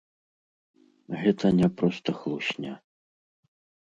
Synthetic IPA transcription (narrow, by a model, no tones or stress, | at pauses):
ɣɛt̪ʰɐnʲɛpɾɔst̪ɐxlˠuɕʲnʲa